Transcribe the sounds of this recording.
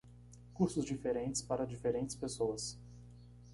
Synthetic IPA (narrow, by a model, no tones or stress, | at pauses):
kuɾsʊzd͡ʒifeɾẽnt͡ʃɪ̥spaɾɐd͡ʒifeɾẽnt͡ʃɪ̥spesoɐs